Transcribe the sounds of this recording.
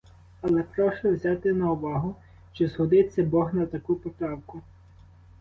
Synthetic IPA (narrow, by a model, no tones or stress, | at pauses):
ɐlˠɛpɾɔʃɔwzʲɑt̪ɪnɐʊʋɑɦʊ | t͡ʃɔzɦɔd̪ɪt͡sʲːɐbɔɦnɐt̪ɐkupɔt̪ɾɑwkʊ